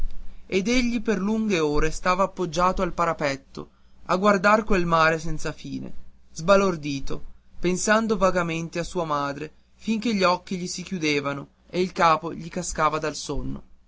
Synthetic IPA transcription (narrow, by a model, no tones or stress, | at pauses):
ed̪eʎːiperluŋɡeoːɾest̪aːvaːpːod͡ʒːaːt̪oalpaɾapɛt̪ːo̰ | aɡward̪arkwelmaːɾesɛnt̪safiːnḛzbalord̪iːt̪opensand̪ovaɡament̪easuːamaːd̪ɾe | fiŋk̟eʎːiɔkːiʎisik̟jud̪eːvano | eilkaːpoʎikaskaːvad̪alsonːo̰